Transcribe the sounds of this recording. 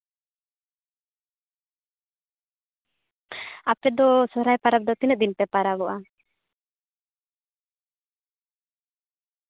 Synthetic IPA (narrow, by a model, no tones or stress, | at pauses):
apɛd̪ɔsɔɾajpaɾap̚d̪ɔt̪inɛt̪̚d̪inpɛpaɾabɔʔa